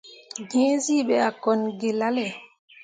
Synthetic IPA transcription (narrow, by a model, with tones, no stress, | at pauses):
ɡẽ˦zi˦ɓɛ˨a˨kɔ˨nɡe˨la˦lɛ˨